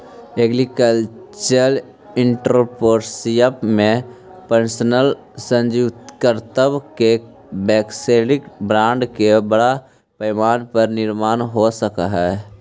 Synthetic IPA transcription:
eɡɾikəlt͡ʃəɾ | ɪɳʈɾopoːɾsijəpmẽ | pənsnəl | sə̃nd͡ʒit̪kəɾt̪əbke | bɛːkseɖɪkbɾãːɳɖkebəɽa | pəjmaːnpəɾnɪɾmaːnɦosəka̰ɦɛː

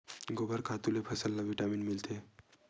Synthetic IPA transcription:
ɡobəɾkʰat̪ulepʰəsəlːaʋiʈaminmilt̪ʰe

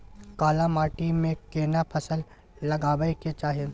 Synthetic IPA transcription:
kaːlamaːʈimẽkeːnapʰɐsəlː | ɐɡaːbəeket͡ʃaːɦie

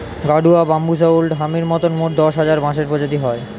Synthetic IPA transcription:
ɡaɖuabambus̬aulɖɦamiɾmɔt̪onmoʈ̚d̪ɔʃɦad͡ʑaɾbãʃeɾpod͡ʑod̪iɦɔe

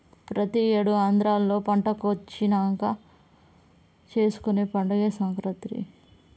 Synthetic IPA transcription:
pɾɐt̪ieːɽuaːnd̪ɾaːlːo̞ːpɐɳʈɐkot͡ʃːinaːŋkɐ | t͡ʃe̞ːsu̥kuneːpɐɳɖɐɡeːsɐŋkɾɐt̪ɾḭ

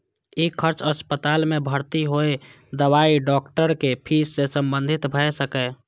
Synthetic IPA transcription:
ikʰəɾt͡ʃʰəspət̪almebʱəɾt̪iɦoe | d̪əwaiɖɔkʈəɾkepʰisːesəmbənd̪ʱit̪bʱəjsəkɛ

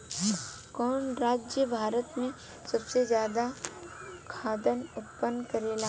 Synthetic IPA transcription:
kɔːnɾaːd͡ʒjəbʱaːɾət̪mẽ | sɐbsed͡ʒjaːd̪a | kʰaːd̪ənʊpːənkɐɾeːla

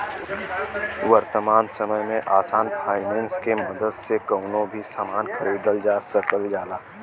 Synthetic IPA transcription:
wəɾt̪əmaːnsəməjmẽʔaːsaːnpʰaːɪmẽːnskeməd̪əd̪sekəʊnõbʱisaːmaːnkʰəɾiːd̪əld͡ʒaːsəkəld͡ʒaːlaː

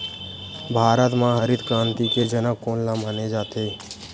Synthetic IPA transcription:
bʱaːɾət̪mãɦəɾɪd̪kɾãːnt̪iked͡ʒənəkoːnlaːmaːned͡ʒaːt̪eː

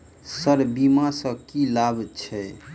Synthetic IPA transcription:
səɾbimasə̃kilabt͡ʃʰɛ

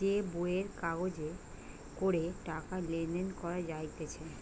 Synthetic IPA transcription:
eboeɾkaɡod͡ʑe | koɾeʈakalend̪enkɔɾad͡ʑajt̪et͡ɕʰe

